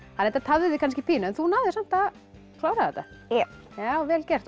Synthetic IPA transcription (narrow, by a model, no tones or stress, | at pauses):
hanːɛjt̪at̪ʰavðɪðɪkʰanscɪpʰiːnanθunaðɪsam̥t̪a | klawɾaðɛt̪a | jɛ | jaːwvɛːlcɛr̥t̪